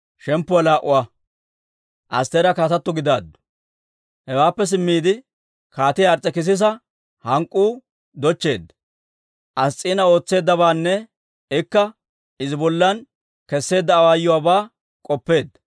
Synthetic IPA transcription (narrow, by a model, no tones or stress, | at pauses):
ʃɛmpːʊwɐlaːʔʊwa | ʔɐ̰st̪ːeːɾɐkaːt̪ɐt̪ːɔɡɪd̪aːd̪ːʊ̥ | hɛwaːpːɛs̬ɪmːiːd̪ɪ | kaːt̪ɪjɐɾt͡sʼːɛkɪs̬ɪs̬ɐ | hɐŋkʼːuː | d̪ɔt͡ʃːe̞ːd̪ːɐ̥ | ʔɐst͡sʼiːnɐo̞ːt͡sːe̞ːd̪ːɐbaːnːɛ | ɪkːɐ | ɪzɪbɔlːɐn | kɛsːe̞ːd̪ːɐːwaːjːʊwaːbaː | kʼɔpːe̞ːd̪ːɐ